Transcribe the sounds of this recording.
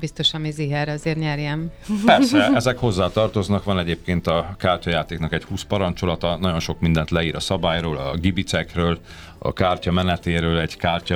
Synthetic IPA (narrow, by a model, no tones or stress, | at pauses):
bist̪o̞ʃɒmiziɦɛɾɒzeːrɲɛrjɛm | pɛrsɛɛzɛkho̞zːaːt̪ɒrt̪o̞znɒkʋɒnɛɟeːp̚keːnt̪ɒkaːrcɒjaːt̪eːknɒkɛchuːspɒɾɒnt͡ʃo̞lɒt̪ɒnɒɟo̞nʃo̞kmind̪ɛnt̪lɛiːɾɒsɒbaːjroːlɒɡibit̪sɛkrøːl | ɒ̰kaːrcɒmɛnɛt̪eːɾøːlɛɟkaːrcɒ